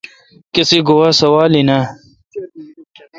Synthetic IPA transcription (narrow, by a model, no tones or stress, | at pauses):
kɪsiɡowaːsɐwaːlina